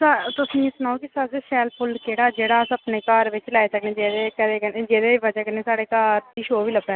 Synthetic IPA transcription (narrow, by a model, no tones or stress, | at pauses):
sat̪ʊsĩːɪsnaːoːkɪsasesɛːlpʰʊlkeːɽaːd͡ʒeːɽaːsəpneːkaːɾʋɪt͡ʃlaːesəknẽːd͡ʒeːd̪eːkəɾeːkəeːd͡ʒeːd̪eːʋəd͡ʒaːkəɾneːsaːɽeːkaːɾd̪iːʃoːʋiːləbɛː